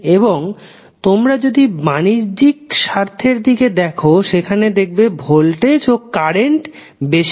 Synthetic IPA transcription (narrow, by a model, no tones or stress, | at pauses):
eboŋ | t̪omɾad͡ʑod̪imaniɾd͡ʑikʃaɾt̪ʰeɾd̪iked̪ɛkʰoʃekʰaned̪ek̚bebʱolʈed͡ʑokkːaɾeɳʈ | beʃ